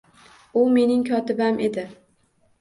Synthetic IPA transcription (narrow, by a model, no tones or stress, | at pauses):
ʊme̞nɪŋkʲʰɒt̪ɪbamʔe̞d̪ɪ